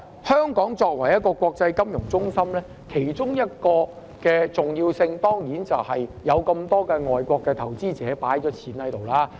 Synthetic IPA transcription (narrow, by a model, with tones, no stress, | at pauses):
hœː˥ŋkɔː˨˥ŋt͡ʃɔː˧k̚wɐ˨˩jɐ˥t̚kɔː˧kʷɔː˧k̚t͡sɐ˧jkɐ˥mjʊ˨˩ŋt͡sʊ˥ŋsɐ˥mlɛː˥ | kʰe˨˩jt͡ʃʊ˥ŋjɐ˥t̚kɔː˧ | kɛː˧t͡sʊ˨ŋjiː˧wsɪ˧ŋt̪ɔː˥ŋjiː˨˥nt͡sɐ˨whɐ˨jjɐ˨˧wkɐ˧mt̪ɔː˥kɛː˧ŋɔː˨jkʷɔː˧kːɛː˧t̪ʰɐ˨˩wt͡siː˥t͡sɛː˨˥paː˨˥jt͡ʃɔː˨˥t͡sʰiː˨˥nhɐ˨˥jt̪o˨wlaː˧